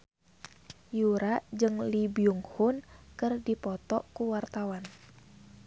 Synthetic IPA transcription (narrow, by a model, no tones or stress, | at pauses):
juɾad͡ʒɨŋlibiuŋhunkɨrdipɔt̪ɔkuwart̪awan